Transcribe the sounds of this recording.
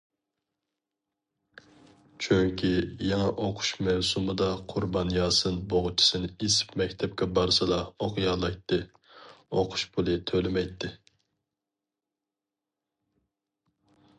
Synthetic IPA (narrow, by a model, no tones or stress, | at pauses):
t͡ʃʰyŋkʲʰijɑŋɛʔoqʰʊ̥ʃmɛwsumɨd̪ɑqʰʊɾbɑnjɑːsɨnboʁʊt͡ʃʰi̥sɨnɪesɪ̥pmɛkʲt̪ʰɛp̚kʲɛbɑɾsɨd̪ɑoqʰjɑːlˠɑjt̪ʰːɨ | oqʰʊ̥ʃpʰulˠɨt̪ʰølɪmɛjt̪ʰːɪ